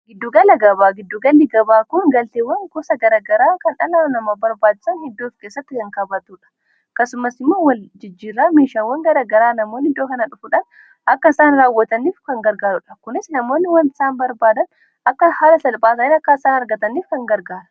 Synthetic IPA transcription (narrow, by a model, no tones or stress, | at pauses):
ɡɪd̪ːuːɡɐlɐɡɐbaːɡɪd̪ːuːɡɐlːɪɡɐbaːkʊŋɡɐlt̪eːwːɐŋkɔsɐɡɐɾaːɡɐɾaːkɐnᶑɐnaːnnɐmɐbɐɾbaːd͡ʒɪ̥sɐnhɪd̪ːoːfkeːsːɐt̪ːɪkɐŋkɐbɐt̪uːᶑɐ̥ | kɐsʊmɐsɪmːoːwɐld͡ʒɪd͡ʒːiːɾːaːmeːʃaːwɐŋɡɐɾaːɡɐɾaːnɐmoːnɪd̪ːoːkɐnɐᶑʊfʊᶑɐn | ɐkːɐɪsaːnɾaːwːɐt̪ɐniːfkɐŋɡɐɾɡaːɾʊᶑɐkʊnɪsnɐmo̞ːnːɪwɐnt̪ɪ̥saːnbɐɾbaːd̪ɐn | ɐkːɐhaːlɐsɐlpʼaːsɐnɪnɐkːaɪsaːnɐɾɡɐt̪ɐniːfkɐŋɡɐɾɡaːɾɐ